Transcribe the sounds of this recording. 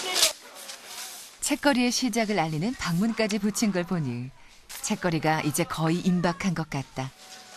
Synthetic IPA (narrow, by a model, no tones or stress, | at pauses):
t͡ɕʰe̞k͈̚ʌɾie̞ɕʰid͡ʑaɡɯɾaʎːinɯnpaŋmunk͈ad͡ʑiput͡ɕʰinɡʌɭpoɲi | t͡ɕʰe̞k͈ʌɾiɡaʔid͡ʑe̞kʌiʔimbakʰanɡʌt̚k͈at̚t͈a